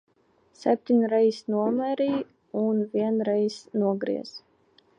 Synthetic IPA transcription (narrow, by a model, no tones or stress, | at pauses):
sɛp̚ʲt̪ʲiɲʲɾɛjsnuɔmɛɾiː | unvʲiɛnɾɛjsnuɔɡɾḭɛ̰z̥